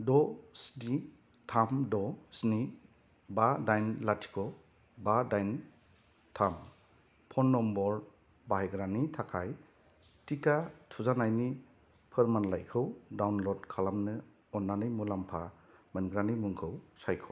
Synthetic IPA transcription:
dɔsni | tʰamdɔsni | badajnlatʰi̥kʰɔ | badajn | tʰam | pʰɔnːɔmbɔɾ | bahajɡɾanitʰakʰaj | tikatʰuzanajni | pʰɯɾmanlajkʰɯwdawnlɔdkʰalamnɯ | ɔnːanɯjmulampʰa | mɯnɡɾanimuŋkʰɯwsajkʰɯw

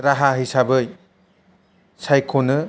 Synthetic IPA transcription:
ɾaɦaɦijsabɯj | sajkʰonɯ

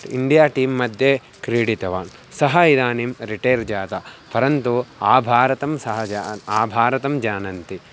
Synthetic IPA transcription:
ḭɳɖijaːʈiːmːɐd̪ʱje | kɾiːɽit̪ɐʋaːn | sɐɦɐid̪aːnimɾiʈeːɾd͡ʒaːt̪ɐpʰɐɾɐnt̪uaːbʱaːɾɐt̪ɐmsɐɦɐd͡ʒaaːbʱaːɾɐt̪ɐmd͡ʒaːnɐnt̪i

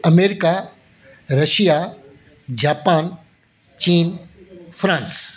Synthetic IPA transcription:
ɐmeːɾɪka | ɾɐʃija | d͡ʑaːpaːn | t͡ɕiːnfɾãːns

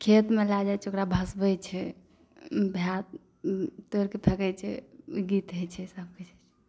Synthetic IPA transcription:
kʰet̪melad͡ʒajt͡ʃokɾabʱəsbət͡ʃʰɛ | bʱjat̪ | t̪oɾket̪ʰəkɛjt͡ʃʰɛɡit̪ɦəjt͡ʃʰɛsəb̚ket͡ʃʰt͡ʃ

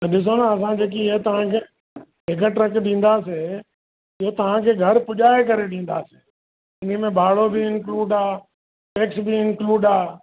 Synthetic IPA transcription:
t̪ɐɗɪs̬onaɐs̬ãkʰeːk̬it̪ɐʋ̤ãkʰeː | ɦɪk̬əʈɾɐkɗĩːn̆d̪aːseː | ɪot̪ɐʋ̤ãkʰeːɡʱɐɾpʊʄaːekɐɾeɗĩːn̆d̪aːse̥ː | ɪnimẽbaːɭobʱɪɪnkluːɖaː | ʈeːksbʱɪɪnkluːɖaː

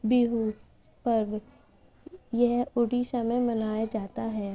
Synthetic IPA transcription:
biɦu | pɐɾ | jɛɦʊɖisamẽmɐnaːjad͡ʒaːt̪aɦɛː

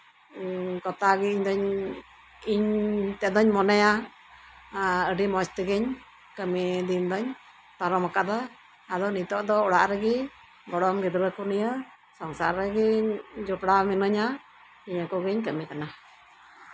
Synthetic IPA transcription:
kɔt̪aɡiiɲd̪ɔɲ | iɲt̪ɛd̪ɔɲmɔnɛja | əɖimɔst̪iɡɛɲ | kəmid̪ind̪ɔɲ | t̪aɾɔmakad̪ɔ | ad̪ɔnit̪ɔʔd̪ɔɔɽaʔɾɛɡi | bɔɽɔmɡid̪ɾəkunijə | sɔŋsa̰ɾːɛɡid͡ʒupɽaminəɲa | iɲəkɔɡiɲkəmikana

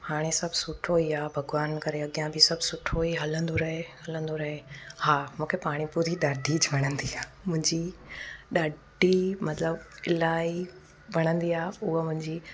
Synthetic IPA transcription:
haːɽ̃esɐbʱsʊʈʰoiaːbʱɐɡʋaːnkɐɾeɐɠijãbɪsɐbʱsʊʈʰoiɦɐlə̃nd̪oɾɐɦeɦɐlə̃nd̪oɾɐɦehaːmũːkʰepaːɽ̃ipʊɾiɗaːɖʱid͡ʑʋɐɽ̃ə̃nd̪iaːmʊ̃ɦɪ̃ɲd͡ʑiɗaːɖ | imɐt̪ləbɪlaːi | ʋɐɽ̃ə̃nd̪iaːʊɦəmʊ̃ɦɪ̃ɲd͡ʑiː

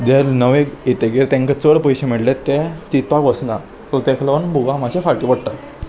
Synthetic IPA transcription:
d̪eɾnəʋeet̪eɡeɾt̪ẽŋkət͡səɽpɔjɕemiɽlet̪ːet͡ɕit̪pakʋəsna | sot̪ẽkʰləʋənbʱuɡãmaɕefaʈipəɽʈ̪a

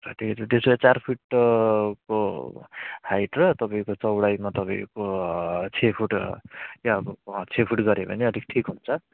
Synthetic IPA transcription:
rʌʈʰikt͡sʰʌt̪esajet͡sarpʰuʈ | ko | hajʈrʌt̪ʌpaĩkot͡sʌwɽajmat̪ʌpãĩkot͡sʰepʰuʈjabʌt͡sʰepʰuʈɡʌɾebʌ̰neʌd̪ʱik̚ʈʰikɦunt͡sʰʌ

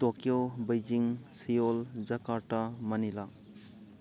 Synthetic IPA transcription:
t̪okjowbəjd͡ʒiŋsijold͡ʒəkaʈamənila

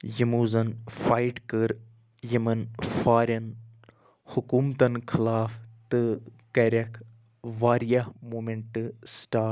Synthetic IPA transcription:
jəmuːzɐnfaːjʈkəɾ | jɐmɐnfaːɾʲɐn | hʊkuːmt̪ɐnkʰɪlaːft̪ɨ | kɐɾʲɐkʰ | ʋaːɾijɐhmoːmeɳʈɨsʈaː

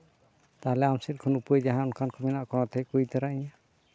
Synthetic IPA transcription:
t̪aɦlɛamsit̪̚kʰɔnupujd͡ʒaɦãɔnkʰankʰɔminaʔkɔnɔt̪ɛjkujt̪ɛɾaʔiɲa

